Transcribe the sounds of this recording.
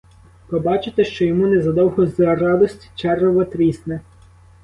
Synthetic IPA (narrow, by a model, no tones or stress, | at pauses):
pɔbɑt͡ʃɪt̪eʃt͡ʃɔjɔmunɛzɐd̪ɔwɦɔzɐrɑd̪ɔsʲtʲi̥t͡ʃɛrɔʋɔt̪ɾʲisnɛ